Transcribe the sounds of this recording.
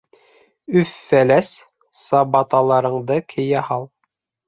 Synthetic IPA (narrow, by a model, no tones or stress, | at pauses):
ʉfːælæs | sɑbɑt̪ɑlˠɑɾɤ̆ɴd̪ɤkʰɘ̆jæhɑlˠ